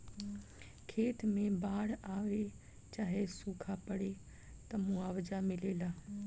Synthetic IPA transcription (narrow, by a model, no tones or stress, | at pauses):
kʰeːt̪ʰmẽbaːɽaːʋe | t͡ʃaːɦesuːkʰapəɽe | t̪ɐmũːaːʋəd͡ʒamɪleːlaː